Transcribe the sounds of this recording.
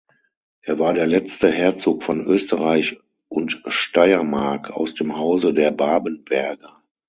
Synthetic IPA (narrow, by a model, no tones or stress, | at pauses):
ʔeːɐvaːɐɾeːɐlɛt͡stəɦeːɐt͡soːkfɔnʔøːstəʁaɪç | ʔʊntʃtaɪɐmaɐkʰa̰ʊsd̥eːmhaʊzədeːɐbaːbənbɛɐɡɐ